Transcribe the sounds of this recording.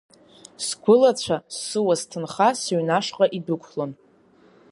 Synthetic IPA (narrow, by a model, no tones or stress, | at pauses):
sɡʷʊlat͡ɕʷʰasːɨwaztʰɨnχasɥnaʂqʼaʔidɨkʷʰlon